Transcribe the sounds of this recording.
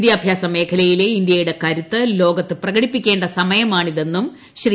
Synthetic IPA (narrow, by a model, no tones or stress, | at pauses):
d̪jɐːbʱjaːsɐme̞ːkʰɐlɐjile̞ind̪jɐjuɽe̞kɐɾut̪ːɨlo̞ːɡɐt̪ːɨprɐɣɐɽipːikʲːe̞ːɳɖɐsɐmɐjɐmaːɳiðe̞nːum | ɕri